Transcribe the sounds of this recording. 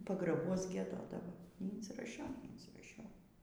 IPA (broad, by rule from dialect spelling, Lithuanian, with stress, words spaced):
pɐɡrɐˈbuɔs ɡʲiɛˈdoːdɐʋoː nʲiːɪnʲsʲɪrɐˈʃʲɛʊ nʲɛɪnʲsʲiːrɐˈʃʲɛʊ